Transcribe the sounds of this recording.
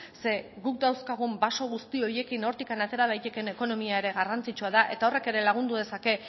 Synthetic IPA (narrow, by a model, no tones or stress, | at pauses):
se̞ɣuk̚d̪awskaɣ̞umbaso̞ɣ̞ust̪io̞je̞kino̞ɾt̪ikanat̪e̞ɾaðajt̪eke̞ne̞ko̞no̞miae̞ɾe̞ɣarant͡sit͡ʃuaðaʔe̞t̪ao̞re̞ke̞ɾe̞laɣ̞und̪uðe̞sake̞